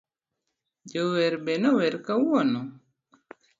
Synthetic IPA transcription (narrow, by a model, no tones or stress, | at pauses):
d͡ʒowɛɾbenɔwɛɾkawɔnɔ